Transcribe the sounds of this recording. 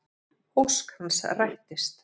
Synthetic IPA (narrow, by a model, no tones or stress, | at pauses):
owskhansrajht̪ɪst̪